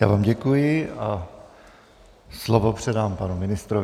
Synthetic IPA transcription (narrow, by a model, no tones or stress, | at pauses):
ja̰ːvaːmɟɛkujɪʔa | slovopr̝̥ɛdaːmpanumɪnɪst̪ɾo